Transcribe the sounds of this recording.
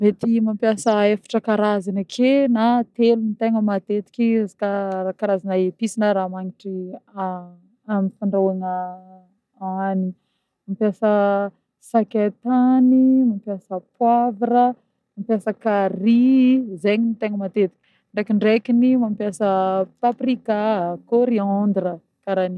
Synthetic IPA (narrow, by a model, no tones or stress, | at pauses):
met̪imampjasəefḁʈ͡ʂəkaɾazanakʰenat̪elunit̪eŋəmat̪et̪i̥kʲiazi̥kaakaɾazanaet̪isinəɾamaŋiʈ͡ʂia | amifaɳɖ͡ʐawaŋə | ani | mampjasə | saket̪animampjasəpwavɾə | mampjasəkaɾizeɲinit̪eŋəmat̪et̪i̥kʲi̥ | ɳɖ͡ʐekiɳɖ͡ʐekinimampjasəpaprikakoɾiɔnd̪ɾə | kaɾani